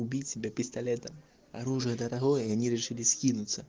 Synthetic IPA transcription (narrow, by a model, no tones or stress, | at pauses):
ubʲit͡sʲsʲibʲɛpʲist̪alʲɛt̪ɐm | a̰ɾuʐɨjɐd̪ɐɾaɣɔjɐjanʲiɾʲɛʂɨlʲisʲkʲinut̪sːɐ